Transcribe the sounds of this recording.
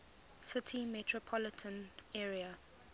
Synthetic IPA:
sɪtʰimɛtʰɹɔpʰɔlɪtʰə̃nɛːɹia

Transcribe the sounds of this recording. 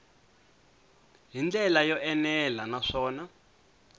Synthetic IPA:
ɦind͡ɮɛlajɔʔɛnɛlanaʂɔːna

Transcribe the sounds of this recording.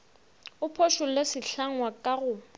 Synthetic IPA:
ʊpʰoʃʊlesɪɬaŋwakʼaɣʊ

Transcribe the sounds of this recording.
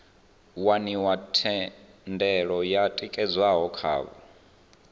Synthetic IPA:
waniwatʰɛndɛɺɔjatʼikʼɛd͡zwaɦɔkʰa̰ːβɔ̰

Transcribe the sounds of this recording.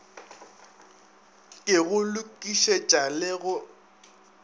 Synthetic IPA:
kʼɪɣʊlʊkʼiʃet͡ʃʼalɪɣʊ

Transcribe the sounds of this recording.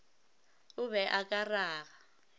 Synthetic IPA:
uβɛʔakʼaraːɣa

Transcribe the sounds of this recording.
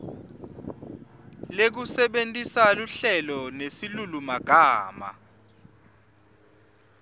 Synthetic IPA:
lek̬usɛɓentʼisaluɬɛlɔnesilulumaɡ̥ʱaːma̰

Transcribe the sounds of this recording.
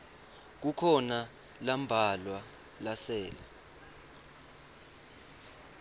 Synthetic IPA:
k̬ukʰɔna | lambʱalwa | lasɛːla

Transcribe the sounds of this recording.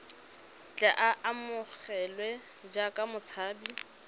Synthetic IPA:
t͡ɬʼaʔaʔamʊk͡xɛlwɛ | d͡ʒakʼamʊt͡sʰaːbi

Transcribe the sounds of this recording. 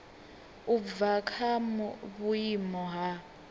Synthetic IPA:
uvakʰamuβujimɔɦa

